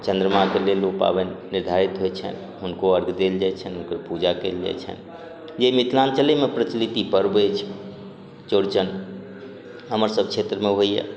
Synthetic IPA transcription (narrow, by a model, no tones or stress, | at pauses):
t͡ʃə̃nd̪ɾəmakelelopa̰bənːɪɾd̪ʱaɾit̪ɦoet͡ʃʰə̰n | ɦʊnkoəɾɡʱd̪eld͡ʒat͡ʃʰənɦʊnkəpud͡ʒakḛːld͡ʒa̰t͡ʃʰə̰n | jemit̪ʰlant͡ʃəlemẽpɾət͡ʃlit̪ipəɾbet͡ʃʰ | t͡ʃoɾt͡ʃən | ɦəməɾsəb̚kʰet̪ɾəmẽɦoiɛ̰